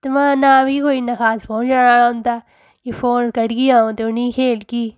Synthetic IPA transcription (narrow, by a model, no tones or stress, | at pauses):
t̪emãːnabʱiikoːinɐxaːspõːt͡ʃaːɽaːɽaɦʊ̃nd̪aː | kifoːnkɐɽɡijaːũt̪eʊnĩːkʰeːlkiː